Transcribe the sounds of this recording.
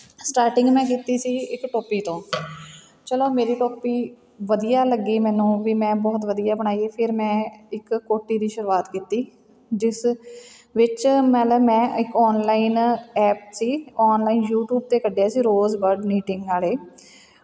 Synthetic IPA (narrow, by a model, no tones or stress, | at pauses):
sʈaːɾʈɪ̃ŋɡmɛ̃ːkiːt̪iːsiːɪkʈoːpiːt̪õː | t͡ʃəloːmeːɾiːʈoːpiː | ʋəd̪ijaːləɡiːmɛ̃ːnũːʋiːmɛ̃ːbɔːt̪ʋəd̪ijaːbəɳ̃aːieːpʰɪɾmɛ̃ːɪkːoːʈːiːd̪iːʃəɾuːaːt̪kiːt̪iː | d͡ʒɪs | ʋɪt͡ʃmɛ̃ːləmɛ̃ːɪkɔːnlaːinɛːp̚siːɔːnlaːiːnjuːʈjuːb̚t̪eːkəɖjaːsiːɾoːzʋəɾɖmiːʈɪ̃ŋɡaːleː